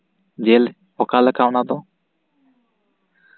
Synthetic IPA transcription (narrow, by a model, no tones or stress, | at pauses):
d͡ʒel | ɔkaləkawnad̪ɔ